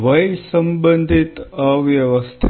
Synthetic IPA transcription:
ʋəjsəmbənd̪ʱit̪əʋjɐʋəst̪ʰ

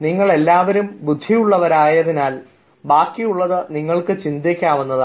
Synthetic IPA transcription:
niŋːɐɭe̞lːaːʋɐɾumbud̪ʱːijuɭːɐʋɐɾaːjɐðinaːl | baːkːijuɭːɐðɨniŋːɐɭkɨt͡ɕind̪ekʲːaːʋunːɐða

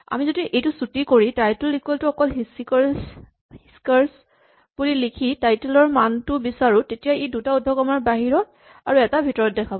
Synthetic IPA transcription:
a̰mizodiʔejtʊsutikoɹitajtulikweltʊɔkɔlɦisks | hiskaɹs | b̥ulilikʰitajtulɔɹmantʊbisaɹʊtetijaejdutaudʱɔkɔmaɹbaɦiɹɔ | aɹuɛtabʱitɔɹɔt̚dɛkʰabɔ

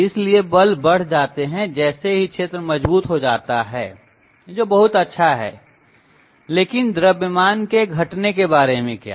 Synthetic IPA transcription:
ɪsliebɐlbɐɽ̤d͡ʒaːt̪eɦɛ̃d͡ʒɛːseɦikʃʰeːt̪ɾəmɐd͡ʒbuːt̪ɦod͡ʒaːt̪aɦɛː | d͡ʒoːbɐɦʊt̪ɐtːʃʰaɦɛ̰ː | leːkɪnd̪ɾəbjəmaːnkeɡʱɐʈnekebaːɾemẽkja̰ː

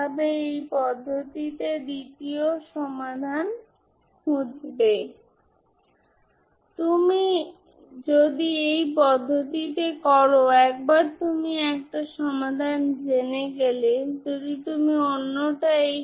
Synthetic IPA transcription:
abeejpɔd̪ʱːot̪it̪ed̪it̪ioʃɔmad̪ʱan | hud̪̚be | t̪umi | d͡ʑod̪iejpɔd̪ʱːot̪it̪ekɔɾoɛk̚baɾt̪umiɛk̚ʈaʃɔmad̪ʱand͡ʑeneɡeled͡ʑod̪it̪umionːoʈaej

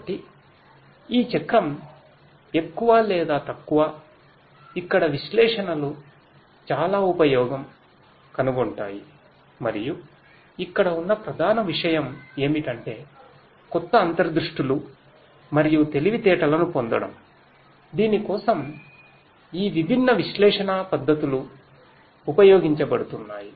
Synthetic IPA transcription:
bɐʈi | iːt͡ʃɐkɾɐm | e̞kːuʋaːlɛːd̪aːt̪ɐkːuʋaː | ikːɐɽɐʋiʃlɛːʂɐnɐlu | t͡ʃaːlaːupɐjɔːɡɐm | kɐnuɡoɳʈa̰ːji | mɐɾiju | ikːɐɽɐunːɐpɾɐd̪ʱaːnɐʋiʂɐjɐme̞ːmiʈɐɳʈe̞ː | kɔt̪ːɐːnt̪ɐɾɐd̪ɾuʂʈilu | mɐɾijut̪e̞liʋit̪ɛːʈɐlɐnupond̪ɐ̰ɽɐ̰m | d̪iːnikɔːsɐm | iːʋibʱinːɐʋiʃlɛːʂɐnapɐd̪ːɐt̪uluː | pɐjoːɡiɲt͡ʃɐbɐɽut̪unːaːji

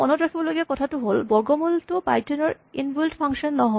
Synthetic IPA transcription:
ɔnɔtɹakʰibɔloɡakɔtʰatʊɦolbɔɹɡɔmultʊpa̰jtɔnɔɹ | inbuldpʰaŋʃɔnːɔɦɔ

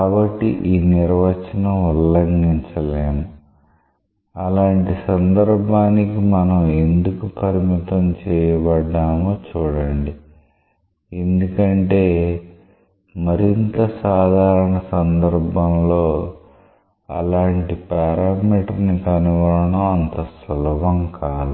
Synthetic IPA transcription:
kaːbɐʈːḭʔiːniɾʋɐt͡ʃɐnɐulːɐŋɡiɲt͡ʃɐleːmu | ɐlaːɳʈisɐnd̪ɐɾbʱaːnikimɐnɐmend̪ukupɐɾimit̪ɐmt͡ʃɛːjɐbɐɖːaːmoːt͡ʃuːɽɐɳɖi | end̪ukɐɳʈe̞ː | mɐɾint̪ɐsaːd̪ʱaːɾɐɳɐsɐnd̪ɐɾbʱɐmlo̞ː | ɐ̰laːɳʈipaːɾaːmiːʈnikɐnuʋɐlɐɳɐmɐnt̪ɐsɐlʋɐŋkaːd̪u

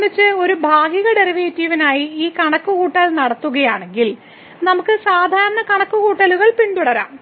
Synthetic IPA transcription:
it͡ɕːɨo̞ɾubʱaːɡiɣɐɖeriʋeːtːiʋinaːjiiːkɐɳɐkːuɣuːʈːɐlnɐɽɐt̪ːuɣɐjaːɳe̞ŋɡil | nɐmukːɨsaːd̪ʱaːɾɐɳɐkɐɳɐkːuɣuːʈːɐluɣɐɭpiɳɖ̪uɽɐɾa̰ːm

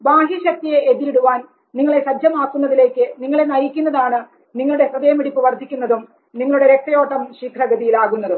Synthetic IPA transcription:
baːɦiɕɐk̚t̪ijeeðiɾiɽuʋaːn | niŋːɐɭe̞ɕɐd͡ʑʱjɐmaːkːunːɐðile̞ːkːɨniŋːɐɭe̞nɐjikʲːunːɐðaːɳɨ | niŋːɐɭuɽe̞srɐðɐjɐmiɽipːɨʋɐrd̪ʱikʲːunːɐðum | niŋːɐɭuɽe̞ɾek̚t̪ːɐjo̞ːʈːɐmɕiːkʰrɐɡɐðijilaːɣunːɐðu

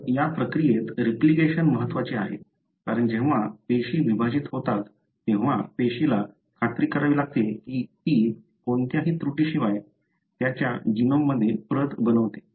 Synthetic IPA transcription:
japɾəkɾijet̪ɾipliɡeɕənməɦət̪ːʋat͡ɕeaɦḛ | kaɾəɳd͡ʑeʋ̤apeɕiːʋibʱad͡ʑiːt̪ɦot̪at̪ː | ẽʋ̤apeɕila | kʰat̪ɾiːkəɾaʋilaɡ̚t̪ekiːt̪iː | kont̪jaɦiːt̪ɾuʈiːɕiʋaj | t̪jat͡ɕja̰d͡ʑinomːəd̪ʱːjepɾət̪bənəʋt̪e̥

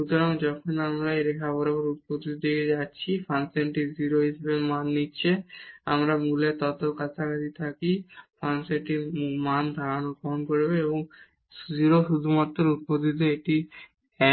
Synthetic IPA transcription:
ʃut̪oɾaŋd͡ʑɔkʰonamɾaeɾekʰaboɾaboɾut̪̚pot̪it̪od̪eked͡ʑatːɕʰifanseɳʈiziɾoɦiʃebemanːitːɕʰeamɾamulet̪ɔt̪okat̪ʰanad̪it̪ʰakifanseɳʈimand̪ʱaɾanut̪̚pɔɦonkoɾbeeboŋ | ziɾoʃud̪ʱumat̪ːɾoɾut̪̚pod̪it̪̬oeʈi | ɛ

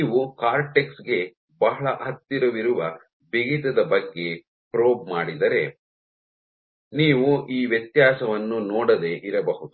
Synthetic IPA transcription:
iːʋukaːɾʈeksɡe̞ | bɐɦɐɭɐʔɐt̪ːiɾɐʋiɾuʋɐ | biɡit̪ɐd̪ɐbɐɡːe̞ | pɾoːbmaːɽid̪ɐɾe̞ | niːʋuʔiːʋjɐt̪jaːsɐʋɐnːunɔːɽɐd̪e̞ʔiɾɐbɐɦud̪u

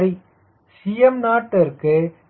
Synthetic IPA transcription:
ɾi | sijɐmnaːʈːɐɾkɯ

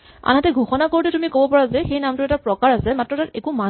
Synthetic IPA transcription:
a̰natɛɡʱuxɔnakoɹitɛtumikobɔpaɹazɛxejnamtʊɹɛtapɹɔkaɹasɛmatɹɔtaɹɛkuma

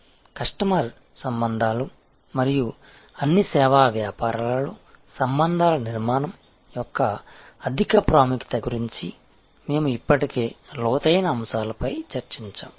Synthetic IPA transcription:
kɐʂʈɐmɐɾ | sɐmbɐnd̪ʱaːlu | mɐɾiju | ɐnːisɛːʋaːʋjaːpaːɾɐalu | sɐmbɐnd̪ʱaːlɐniɾmaːnɐm | jɔkːɐː | d̪ʱikɐpɾaːmikt̪ɐɡuɾiɲt͡ʃi | me̞ːmuipːɐʈike̞ːlɔːt̪ɐjnɐːmsaːlɐpɐjt͡ʃɐɾt͡ʃiɲt͡ʃa̰ːm

